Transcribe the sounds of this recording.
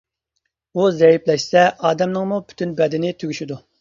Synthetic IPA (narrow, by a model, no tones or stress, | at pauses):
uzɛjiplɛʃsɛʔɑːd̪ɛmnɨŋmupʰy̥t̪ynbɛd̪ɪnɪt̪ʰyɡʲyʃid̪u